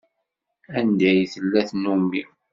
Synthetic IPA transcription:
ænd̪æjθəlːæθnumːi

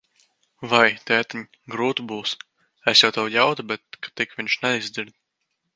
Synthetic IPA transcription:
vajt̪ʲɛːt̪ʲiɲʲ | ɡɾuːt̪ubuːs | esjawt̪ɛwjawt̪ubʲɛt̪̚kḁt̪ikvʲiɲʲʃnɛizd̪ɨɾd̪̚

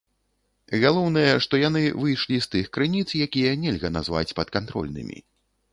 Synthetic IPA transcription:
ɣalˠɔwnɐjɛʂt̪ɔjanɨvɨjʂlʲist̪ɨxkɾɨnʲit̪sjakʲijɐnʲɛlʲɣɐna̰zva̰t͡sʲpɐt̪kant̪ɾɔ̰lʲnɨ̰mʲḭ

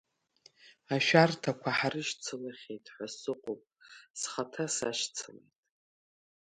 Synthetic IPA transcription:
aʃᶣartʰakʷʰaħarɨʃt͡sʰɨlaχʲejtʼħʷasɨqʷʼopʼsχatʰasa̰ʃt͡sʰɨlḛjtʼ

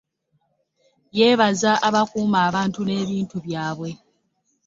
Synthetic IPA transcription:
je̞ːβazaʔaβakuːmaːβaːntune̞ːβiːntuβjaːβwe̞

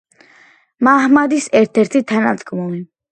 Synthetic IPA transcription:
maɦmad̪isɛɾt̪ʰɛɾt̪ʰit̪ʰana̰d̪ɡmuli

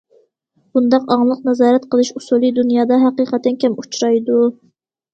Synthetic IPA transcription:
b̥und̪ɑqɑŋlˠəqnɛzɑːɾɛt̪qʰəlˠɨʃusulˠid̪unjɑːd̪ɑɦæqiqɛt̪ːɛnkʲɛmut͡ʃʰɾɑjd̪u

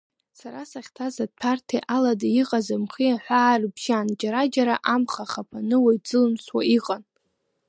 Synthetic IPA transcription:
saɾasaχʲtʰazad̚pʰartʰeʔaladaiqʼazamχiaħʷaːrbʒand͡ʒaɾad͡ʒaɾaʔamχaχapʰanɨwajd͡zɨlɨmswaiqʼan

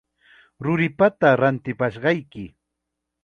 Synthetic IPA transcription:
ɾʊɾɪpat̪aɾant̪ɪpaʃɢɑjkɪ

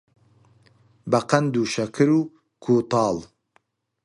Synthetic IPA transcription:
baqand̪uʃɐkʰɨɾu | kʰot̪ɑːl

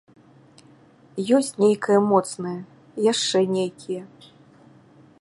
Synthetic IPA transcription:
jɔsʲt͡sʲnʲejkɐjɐmɔt̪snɐjɐ | jaʂt͡ʂɛnʲejkʲijɛ

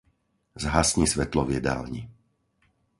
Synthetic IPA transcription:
zɦasɲisʋɛt̪lɔʋɪɛd̪a̰ːlɲi

